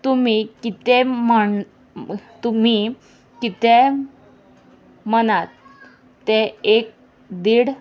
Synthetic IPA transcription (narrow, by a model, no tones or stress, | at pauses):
t̪umikit̪emə | t̪um̤iː | kit̪e | mənat̪ː | eek̚ | d̪iɽ